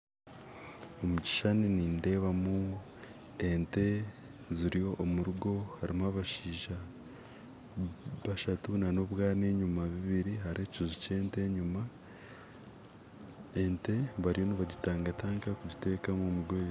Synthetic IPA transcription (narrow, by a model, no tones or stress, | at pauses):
omuɟi̥ʃaniniːnde̞ːβamu | ente̞ | ziɾijo̞ʔːmuɾuɡo̞haɾimaβaʃiːʒa | βaʃatunano̞βwaːne̞ːɲumaβiβiɾiɦaɾe̞ːcizuce̞ːnte̞ːɲuma | e̞nte̞βaɾijo̞niβaɟitaːŋɡataːŋkakuɟite̞ːkamomuɡɡweːɾ